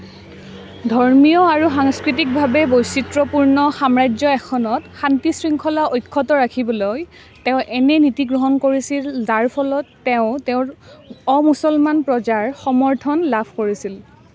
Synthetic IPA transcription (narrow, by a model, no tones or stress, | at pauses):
dʱɔɹmijɔaɹuxaŋskɹit̬ik̚bʱabɛbojsitɹɔpuɹnɔxamɹajd͡ʒzɔɛxʰɔnɔtxantisɹiŋkʰɔlaʔojkʰːɔtɔɹakʰibɔloj | teʊ̃ʔɛnɛnitiɡɹɔɦɔnkoɹisilzaɹpʰɔlɔtːeʊ̃teʊ̃ɹɔmusɔlmanpɹɔzaɹxɔmɔɹtʰɔnlapʰkoɹisil